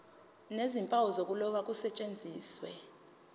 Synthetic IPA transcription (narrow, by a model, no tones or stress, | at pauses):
nezimpʼawɔzok̬ʼulɔɓak̬ʼusɛt͡ʃʼend͡zʱiːswɛ̰